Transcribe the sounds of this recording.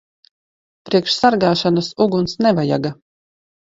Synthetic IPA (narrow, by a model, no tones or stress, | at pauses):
pɾiɛkʃsaɾɡaːʃanasuɡunsnɛvaja̰ɡa